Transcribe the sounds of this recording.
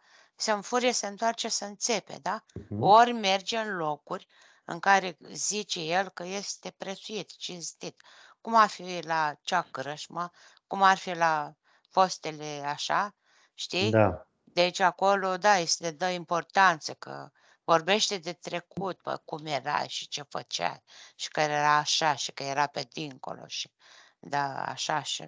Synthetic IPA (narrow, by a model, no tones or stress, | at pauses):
səɱfuɾiesəɨnt̪oart͡ʃesəɨnt͡se̞pḛd̪aorʲme̞rd͡ʒeɨnlo̞kurʲ | ɨ̰ŋkaɾe̞zit͡ʃe̞je̞lkəje̞st̪e̞pɾet̪suit̪t͡ʃinst̪it̪ | kumarfilat͡ʃakɾəʃmə | kumarfila | fo̞st̪e̞le̞aʃa | ʃt̪id̪a | d̪eit͡ʃako̞lo̞d̪ajest̪ed̪əimpo̞rt̪ant̪səkə̰ | vo̞rbe̞ʃt̪e̞d̪e̞t̪ɾe̞kut̪̚pə̰kumje̞ɾa̰ʃi̥t͡ʃe̞fət͡ʃa̰ʃi̥kəejeɾaːʃaʃi̥kəje̞ɾape̞d̪iŋko̞̰lo̞̰ʃi̥ | d̪aa̰ʃaʃḭ